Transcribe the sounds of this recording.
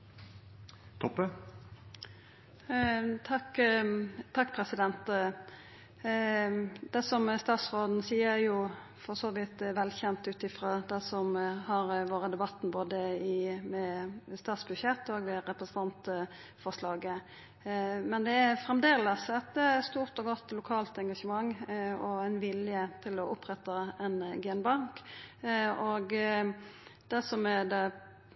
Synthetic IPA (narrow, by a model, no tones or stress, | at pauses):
t̪ʰɔpːə | t̪ʰɑk | t̪ʰɑkːpʰɾɛsɪd̪ɛnt̪ | d̪̥ɛsɔmst̪ɑːt̪sʁoːd̪n̩siːəjʊ | fɔsoːʋɪt̪ʋɛlçɛnt̪ʉːt̪ɪfɾɑːd̪ɛsɔmhɑɾʋoːɾəd̪ɛbɑt̪ːn̩boːd̪əɪmɛst̪ɑːt̪sbʉʃjɛt̪ːoːɡd̪ɛɾɛpɾəsənɑnt̪ | fɔʁʂlɑːɡə | mɛnd̪ɛæɾfɾɛmd̪eːləsɛt̪st̪uːʁt̪ɔɡɔt̪ːlʊkʰɑːlt̪ɛŋɡɑʂəmɑŋːɔɛnʋɪljət̪ʰɪlɔʔʊpːɾɛt̪ɑɛnɡɛnbɑŋk | ɔɡ | d̪̥æsɔmæd̪ɛ